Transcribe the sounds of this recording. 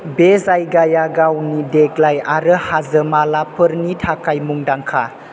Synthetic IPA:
bezajɡajaɡawnideɡlajaɾəhazəmalapʰəɾnitʰakajmuŋdaŋkʰa̰

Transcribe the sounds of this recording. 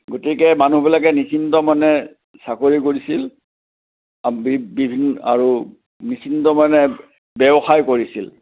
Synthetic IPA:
ɡotikɛmanubilakɛnisintɔmanɛ | sakoɹikoɹisil | bibibʱina̰ɹu | nisintɔmanɛ | bɛbɔxajkoɹisil

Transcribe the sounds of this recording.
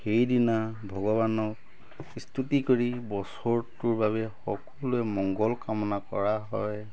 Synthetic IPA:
xejdinabʱɔɡɔbanɔk | istʰutikoɹibɔsɔɹtʊɹbaβɛxɔ̰kɔlʊɛmɔŋɡɔlkamɔnakɔɹaɦɔj

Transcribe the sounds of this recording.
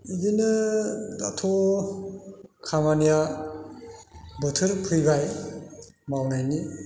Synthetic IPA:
idinɯdatʰo | kʰamanija | bɯtʰɯɾpʰɯjbaj | mawnajni

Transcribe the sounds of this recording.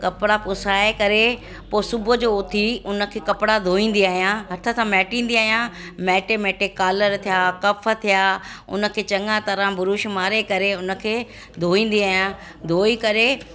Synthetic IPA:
kɐpɪɽapʊsaːekɐɾe | poːsʊbʱʊd͡ʑoːt̪ʰiʊnə̆kʰeːkɐpɪɽad̪ʱoːĩːn̆d̪iaːɦijãɦɐt̪ʰəsãmɛːʈĩːn̆d̪iaːɦijãmɛːʈemɛːʈɪkːaːləɾt̪ʰijaːkɐfʰə̆t̪ʰijaːʊ̰nə̆kʰeːt͡ɕɐ̃ŋɡãt̪ɐɾãbʊɾʊʃmaːɾekɐɾeʊnə̆kʰeː | d̪ʱoːĩːn̆d̪iaːɦijã | d̪ʱoːikɐɾe

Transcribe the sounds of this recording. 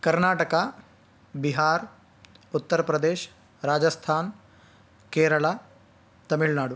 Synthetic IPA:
kɐɾnaːʈɐka | biɦaːɾ | ut̪ːɐɾɐpɾɐd̪eːʃ | ɾaːd͡ʒɐst̪ʰaːn | keːɾɐɭaː | t̪ɐmiɭnaːɽu

